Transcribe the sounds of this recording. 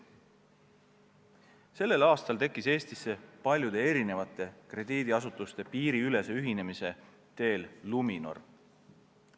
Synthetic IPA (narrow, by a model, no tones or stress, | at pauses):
se̞lːe̞lɑːst̪ɑlt̪e̞kːˑise̞ːst̪isːe̞pɑlʲjud̪̥e̞eɾine̞vɑt̪ːˑe̞kre̞d̪iːd̪̥iɑsut̪ːˑust̪e̞piːɾiyle̞seyɦine̞mise̞ | t̪e̞ːllumino̞̰r